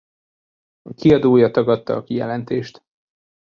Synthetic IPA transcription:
ɒkiɒd̪oːjɒt̪ɒɡɒt̪ːɒɒkijɛ̰lɛnt̪eːʃt̪

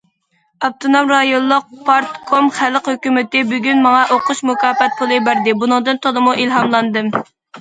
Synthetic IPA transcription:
ɑp̚t̪ʰonomɾɑjonˠːʊq̚pʰɑɾt̪kʰomχæləqhøkʲymɪt̪ɪbyɡʲynmɑŋɑʔoqʊʃmukʰɑːfɛt̪̚pʰulˠɨbæɾd̪ɪbunɨŋd̪ɨnt̪ʰolˠɨmuʔilɦɑmlˠɑnd̪ɨm

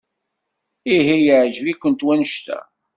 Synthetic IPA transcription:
iɦijəʕʒvikʷːənt̪wænəʃt̪æ̰

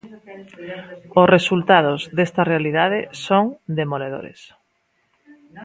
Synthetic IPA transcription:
ʊsresult̪að̞ozðest̪ɐrealiðað̞ɪsoŋd̪emoleðo̰ɾḛs

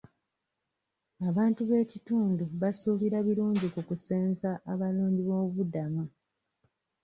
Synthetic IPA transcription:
aβaːntuβe̞ːcituːnduβasuːβiɾaβiɾuːɲɟikukuseːnzaʔːβaluːɲɟiβo̞ːβudama

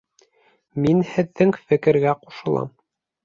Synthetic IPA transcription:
minhɘ̆ðːɘŋfɘ̆kɘ̆ɾɡæqu̥ʃɤ̆lˠɑ̰m

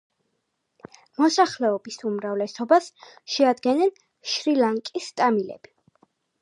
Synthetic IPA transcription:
mɔsaχlɛɔbisumɾavlɛsɔbasʃɛad̪ɡɛnɛn | ʃɾilaŋkʼist̪ʼamilɛ̰b̥i

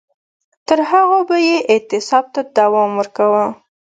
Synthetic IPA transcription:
t̪əɾɦaɣabajeʔɪt̪ɪsɑb̚t̪ad̪awɑmwəɾkawa

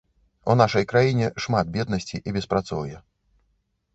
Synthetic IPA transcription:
ṵnaʂɐjkɾajinʲɛʂmat̪̚bʲɛd̪nɐsʲt͡sʲiʔibʲɛspɾat̪sɔ̰wjɛ

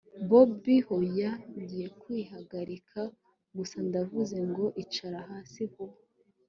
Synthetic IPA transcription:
bobihojaɲɟije̞kwihaɡaɾikʰa | ɡusandavuze̞ŋɡo̞ʔit͡ʃaɾahaːsihu

